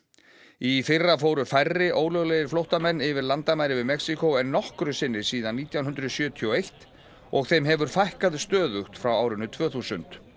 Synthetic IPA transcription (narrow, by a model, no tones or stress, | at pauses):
ifɪrːafoːwɾʏfajrːɪʔoːwlœɣlejɪɾ̥flowht̪amɛnːɪvɪɾlant̪amaːjɾɪvɪðmɛksikowɛnːɔhkɾʏsɪnːɪ̥siːðanːiːt̪jawnʏnd̪ɾʏðsjœːt̪ʰiɔejht̪ | ɔɣθejmɦɛvʏɾ̥fajhkaðst̪œːðʏxt̪fɾawaːwɾʏnʏt̪ʰv̥œːθusʏ̰nt̪